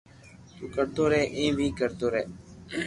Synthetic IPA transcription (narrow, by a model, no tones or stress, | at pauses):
t̪uːkəɾt̪oːɾɛːʔẽːʋʱiːkəɾt̪oːɾɛː